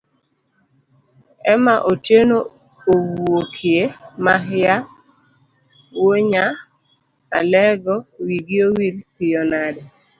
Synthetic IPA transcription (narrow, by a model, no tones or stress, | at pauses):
ɛmaʔoteno | owokʰjemaɦja | woɲa | a̰lɛɡɔwiɡɪowilpɪɔnadɛ